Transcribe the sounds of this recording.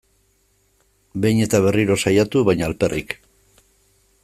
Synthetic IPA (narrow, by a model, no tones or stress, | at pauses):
be̞jɲe̞t̪aβ̞e̞riɾo̞sajat̪uβajɲaːlpe̞rʔḭk